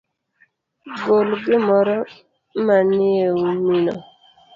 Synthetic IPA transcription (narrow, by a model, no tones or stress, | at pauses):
bolɡɪmɔɾɔ | manɪewuminɔ̰